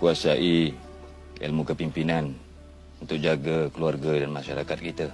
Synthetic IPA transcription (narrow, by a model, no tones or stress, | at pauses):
kuasaʔi | ɛ̰lmukəpimpinan | unt̪ʊk̚d͡ʒaɡakəluarɡadanmaʃaɾakat̪̚kit̪a